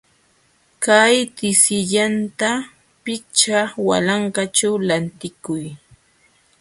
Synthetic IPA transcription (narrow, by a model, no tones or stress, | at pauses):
kajt̪ɪsɪʎant̪a | pɪt͡ʃawa̰laɴkat͡ʃawlant̪ɪkʊj